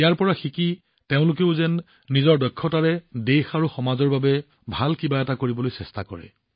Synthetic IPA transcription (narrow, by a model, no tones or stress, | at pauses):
jaɹpɔɹaxiki | teʊ̃lʊkeʊzɛnː | izɔɹdɔkʰːɔtaɹɛdexaɹuxɔmazɔɹbabɛ | bʱalkibaɛtakoɹibɔlojsɛsta̰kɔ̰ɹɛ̰